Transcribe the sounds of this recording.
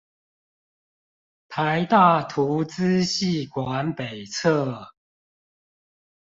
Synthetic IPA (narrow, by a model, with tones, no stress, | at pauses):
pʰa˨˦ɪt̪a˥˨t̪ʰu˨˦t͡sɹ̩˦ɕi˥˨kwa˨˦npe˨˩ɪt͡sʰə˥˨